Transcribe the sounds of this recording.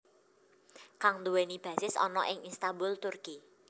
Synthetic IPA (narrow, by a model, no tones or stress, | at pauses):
kaŋnd̪uwenib̥ä̤sɪsɔ̰nɔʔɪŋinst̪ambʊlt̪ʊrki